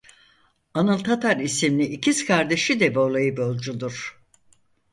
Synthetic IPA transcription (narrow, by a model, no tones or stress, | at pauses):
anɯlˠt̪ʰat̪ʰaɾisimlʲiʔːciskʰaɾd̪e̞ʃid̪ɛbo̞lˠajɯbo̞lʲˠd͡ʒud̪uɾ̥